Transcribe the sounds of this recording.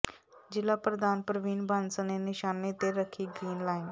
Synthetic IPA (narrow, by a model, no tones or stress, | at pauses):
d͡ʒɪlaːpɾəd̪aːnpəɾʋiːnbənsənenɪʃaːneːt̪eɾəkʰːiːɡɾiːnlaːɪn